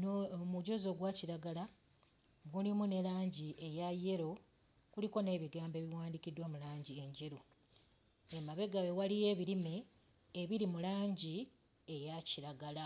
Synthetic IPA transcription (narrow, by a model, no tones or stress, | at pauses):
nmuɟo̞zo̞ɡwaciɾaɡala | ɡulimune̞laːɲɟiʔe̞jaje̞ɾo̞ | kuliko̞ne̞ːβiɡaːmbe̞βiwaːndikidwamulaːɲɟieɲɟeɾu | emaβe̞ɡawewalije̞βiɾime̞ː | βiɾimulaːɲɟi | ejaciɾaɡala